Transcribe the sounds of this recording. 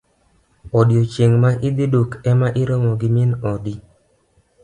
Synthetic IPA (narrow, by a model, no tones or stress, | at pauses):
ɔdjot͡ʃeŋmaʔɪd̪idokɛmaʔɪɾomɔɡimɪnɔdi